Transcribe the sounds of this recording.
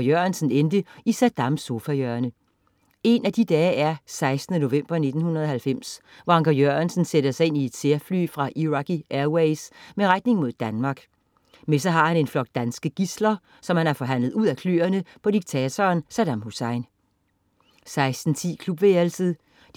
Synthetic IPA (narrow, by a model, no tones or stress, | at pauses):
jønsn̩end̥əisæd̥ɑ̈mso̝fæjøːɐnə | e̝næd̥id̥ɛːæɐsɑ̈ɪsd̥nəno̝ʋem̰b̥ɐne̝d̥n̩hunɐð̞ˠɒhælfem̰s | ʋɒɑ̈ŋɡ̥ʰɐjøænsn̩seɾ̥ɐsɑɪe̝n̰ie̝d̥seɐfly̰ːfʁɑ̈ʔiʁɑɡ̥iʔæɐweɪsmeʁḁne̝ŋmo̝ð̰ˠd̥ænmɑ̈ːɡ̥ | mes̬ɒɦɑ̈hæne̝nflɒ̽ɡ̥̚d̥̚d̥ænsɡ̥əɡ̥islɐ | sɒ̽mhænæɐfɒ̽ɦæn̰lð̞̩ˠuð̰ˠækʰly̰ːɐnəpʰɒ̽d̥iɡ̥̚t͡sʰɛːt͡sʰɒːnsæd̥ɑ̈mhusɑ̈ɪn | sɑ̈ɪsd̥n̩t͡sʰḭːkʰlub̥ʋeːlsəð̩̥ˠ